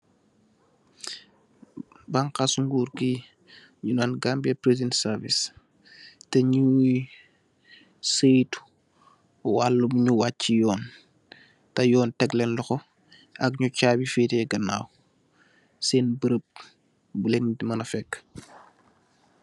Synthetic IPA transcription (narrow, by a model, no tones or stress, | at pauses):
baŋkasuŋɡuːɾki | ɲunanɡambɛpɾezɛntsɐɾvis | tɛɲu | səjt | walːubɲuwacːijɔːn | tɐjɔːntɛɡlɛnlɔxɔ | ɐk̚ɲut͡ʃaːbifitɛɡɐna̰ːw | sɛnbəɾəp̚ | bulɛnɲtimɐnɐfɛkː